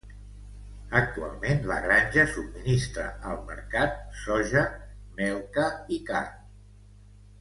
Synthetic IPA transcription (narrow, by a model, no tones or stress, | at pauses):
ək̚t̪ua̰lˠmenlə̰ɣɾanʲʒəsub̚minist̪ɾə̰ʔəlˠmə̰ɾkat̪̚sɔʒəmɛlˠkəikar